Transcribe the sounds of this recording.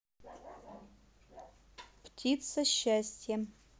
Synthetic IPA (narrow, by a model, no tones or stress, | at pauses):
ptʲʰit̪sɐɕaːsʲtʲʰjɛ